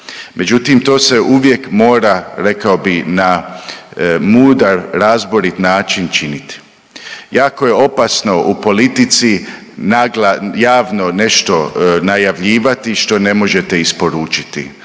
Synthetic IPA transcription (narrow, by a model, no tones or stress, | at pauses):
mʔe̞d͡ʒut̪imt̪o̞ːse̞ʔuʋje̞kmo̞ːɾaɾe̞kaobina | muːd̪aɾɾaːzbo̞ɾit̪naːt͡ʃint͡ʃinit̪i̥ | jaːko̞je̞o̞pasno̞upo̞lit̪it̪si | naɡlajaːʋno̞ne̞ʃt̪o̞najaʋʎiːʋat̪iʃt̪o̞ne̞mo̞ʒe̞t̪e̞ispo̞ɾuːt͡ʃi̥t̪ḭ